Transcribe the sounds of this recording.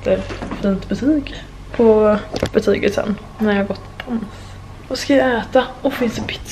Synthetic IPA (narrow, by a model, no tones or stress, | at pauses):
t̪əɾfiːnt̪bət̪ʰyːɡ | pʰɔb̥ət̪ʰyːɡət̪sɛ̰nː | næɾjɑhaɡɔt̪ʰːɪ̥pʰans | vɔskajaæːt̪aɔfɪnsd̪ɛpʰɪ̥t̪s